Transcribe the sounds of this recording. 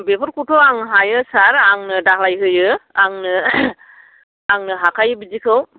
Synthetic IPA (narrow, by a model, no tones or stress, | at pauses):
bepʰɔɾkutʰɔwaŋɦajɯsaɾaŋnɯdaɦlajkɯjɯaŋnɯ | aŋnɯɦakʰajɯbizikʰɯw